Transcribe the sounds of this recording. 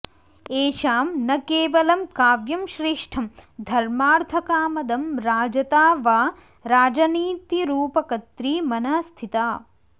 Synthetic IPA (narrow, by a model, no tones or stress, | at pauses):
eːʃaːmnɐkeːʋɐlɐmkaːʋjɐmʃɾeːʂʈʰɐmd̪ʱɐɾmaːɾt̪ʰɐkaːmɐd̪ɐmɾaːd͡ʒɐt̪aːʋaː | ɾaːd͡ʒɐniːt̪iɾuːpɐkɐt̪ɾiːmɐnɐst̪ʰit̪aː